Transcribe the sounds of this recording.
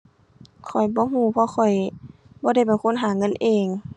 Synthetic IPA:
kʰɔ˨˩jbɔː˧˦ɦuː˧˩pʰɔ˧xʰɔ˨˩j | bɔː˧˦ɾa˥˩jpa˨˩nkʰo˧˥˨nɦaː˨˦ŋɤ˧˥˨nʔeː˨˩ŋ

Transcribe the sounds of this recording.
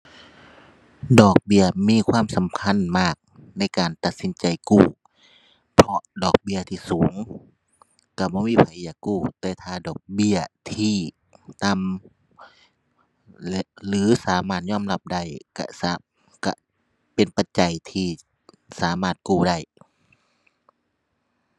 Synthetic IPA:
dɔː˨˩k̚bi˧˨ɐəmiː˧˥˨kʰwaː˧˥˨msa˨˦mkʰa˧˥˨nmaː˧˩k̚na˧˥˩jkaː˨nt̪a˧t̪̚si˨˦nt͡ɕa˨jkuː˧˩ | pʰɔ˧dɔː˨˩k̚bi˧ɐt̪ʰiː˧suː˨˦ŋ | ka˧˩bɔː˧˦miː˧˥˨pʰa˨˦jjaː˧˩kuː˧˩t̪ɛː˧t̪ʰaː˧˩dɔː˨˩k̚bi˧˩ɐt̪ʰiː˧˩ | t̪a˧˨m | lɛ˧lɯː˨˦saː˨˦maː˧˩t̪̚ɲɔː˧˥˨mla˧p̚da˧˩jka̰˧sa˨˦ | ka̰˧ | pe˨npa˧˦t̪̚t͡ɕa˨˩jt̪ʰiː˧ | saː˨˦maː˧˩t̪̚kuː˧˩da˧˩j

